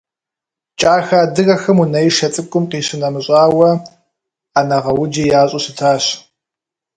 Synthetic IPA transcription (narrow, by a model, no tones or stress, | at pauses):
t͡ʃʼaːxaːdɨɣɐxɨmunɐjʃɐt͡sʼɨkʷʼʊmqiːɕɪnɐmɨɕʼaːwɐ | aːnɐʁɐwʊd͡ʒijaːɕʼusɨtʰaːɕ